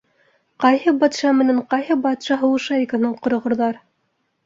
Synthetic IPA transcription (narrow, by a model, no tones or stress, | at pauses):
qɑjhɤbɑt̪ʃɑmɘ̆næɴqɑjɦɤbɑt̪ʃɑɦɤ̆wɤ̆ʃɑikanɑɴqŏɾŏʁɤ̆ɾðɑɾ